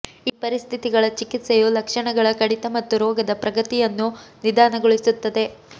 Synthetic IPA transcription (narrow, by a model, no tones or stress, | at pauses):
iːpɐɾist̪ʰit̪iɡɐɭɐt͡ʃikit̪sejulɐkʂɐɳɐɡɐɭɐkɐɽit̪ɐmɐt̪ːuɾɔːɡɐd̪ɐpɾɐɡɐt̪ijɐnːunid̪aːnɐɡoɭisut̪ːɐd̪e̞